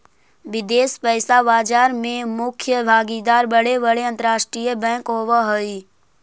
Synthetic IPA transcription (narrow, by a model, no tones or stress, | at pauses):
ʋɪd̪eːspəːsaʋaːd͡ʒaːɾmẽmʊkʰjəbʱaːɡid̪aːɾbəɽeʋəɽeə̃nt̪əɾaːʃʈɾiːjəbɛ̃ːkɦoːʋaɦoi